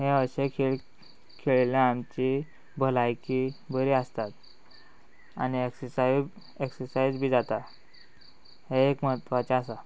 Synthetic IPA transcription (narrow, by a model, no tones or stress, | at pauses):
ɦẽəɕekʰeɭ | kʰeɭljãamt͡ɕi | bʱəlajkibəɾiːəst̪at̪ | a̰nieksəsa | eksəɾsajd͡zbʱiːd͡zat̪a | ɦeekməɦət̪ːʋat͡ɕeasa